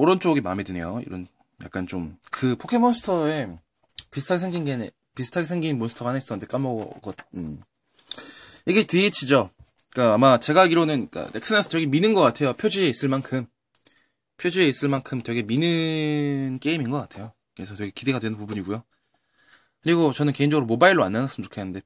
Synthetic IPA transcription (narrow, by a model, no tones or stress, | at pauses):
oɾʌnt͡ɕ͈oɡemamedwene̞̰joḭɾʌn | ja̰k͈ant͡ɕomkɯpʰokʰe̞mʌnsʰɯ̥tʰʌe | pisʰtʰaɡesʰeŋɡinɡene | pisʰɯ̥tʰaɡesʰeŋɡinmonsʰɯ̥tʰʌaɦanes͈ʌnntʰek͈amoɡʌt̚ɯm | jiɡeteit͡ɕʰid͡ʑʌ | k͈aːmat͡ɕe̞ɡaɡiɾonɯnik͈a̰neks͈ɯnes͈ɯ̥teɡeminɯnɡʌk͈atʰe̞jopʰjod͡ʑie̞is͈ɯɭmankʰɯm | pʰjod͡ʑie̞is͈ɯɭmankʰɯmtwe̞ɡe̞minɯ | nk͈e̞iminɡʌk͈atʰe̞jo | kɯesʰʌteɡekide̞ɡadwenɯnpubuɲiɡujo | kɯɾiɡot͡ɕʌnɯnke̞ind͡ʑʌɡɯɾomobailɭːoanːanas͈ɯmt͡ɕokʰenɯnde̞